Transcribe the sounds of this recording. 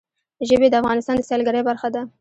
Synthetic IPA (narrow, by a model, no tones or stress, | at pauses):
ʒəbed̪əafɣɑnɪst̪ɑnd̪əsalɡaɾəjbaɾxad̪a